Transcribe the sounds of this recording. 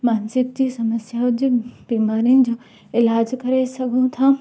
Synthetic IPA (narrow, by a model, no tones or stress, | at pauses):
maːnsɪk̚d͡ʑiːsɐməsjaʊd̪biːmaːɾinɪ̆d͡ʑoː | ɪlaːd͡ʑkɐɾesɐɡʱũt̪ʰaː